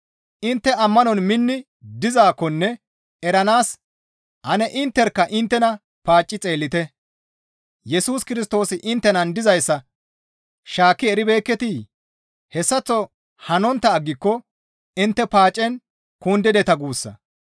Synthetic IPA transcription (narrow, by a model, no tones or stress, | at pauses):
ʔɪnt̪ːɛɐmːɐnɔnmɪnːɪ | d̪ɪzaːkːɔnːɛ | ɛɾɐnaːs | hɐnɛʔɪnt̪ːɛɾkːɐʔɪnt̪ːɛnɐ | paːt͡ʃʼːɪt͡sʼe̞ːlːɪt̪ɛ | jɛsuːskɪɾɪst̪o̞ːsɪʔɪnt̪ːɛnɐnd̪ɪzɐjsːɐ | ʃaːkːɪɛɾɪbe̞ːkːɛt̪i | hɛsːɐt͡sːɔ | hɐnɔnt̪ːɐːɡːɪkːɔ | ɪnt̪ːɛpaːt͡ʃʼːɛn | kund̪ɛd̪ɛt̪ɐɡuːsːɐ̰